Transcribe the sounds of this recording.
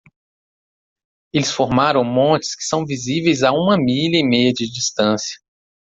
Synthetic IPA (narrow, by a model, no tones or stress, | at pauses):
elɪsfoɾmaɾɐ̃w̃mõnt͡ʃɪ̥skɪ̥sɐ̃w̃vizivejzaũmɐmiʎɐɪmejɐd͡ʒɪd͡ʒist̪ɐ̃sjɐ̥